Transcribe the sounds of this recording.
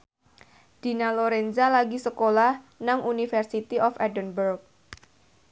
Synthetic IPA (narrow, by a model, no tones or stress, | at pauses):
d̥i̤naloɾenzalaɡisəkolahnaŋʔunifɛrsit̪iʔɔfɛdənbərk̚